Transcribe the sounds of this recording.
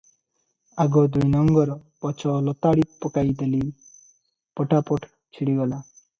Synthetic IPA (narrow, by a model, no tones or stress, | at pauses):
aɡɔd̪ujnɔŋɡɔɾpɔt͡ʃʰɔlɔt̪aɽipɔkajd̪eli | pɔʈʰapɔʈʰ | t͡ʃʰiɽiɡɔla